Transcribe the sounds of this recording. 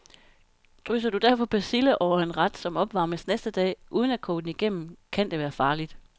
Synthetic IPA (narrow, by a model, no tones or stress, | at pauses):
d̥ʁysɐd̥ud̥æɐ̰fɒ̽pʰɒsiləʔɒʊ̰ɐe̝nʁɑd̥sɒ̽mɒ̽b̥ʋɑ̈ːməsnesd̥əd̥ɛ̰ːʔuːð̞ˠən̩ækʰɔ̰̥ːn̩iɡ̥em̰m̩kʰæn̰d̥e̝ʋæːɐfɑ̈ːlid̥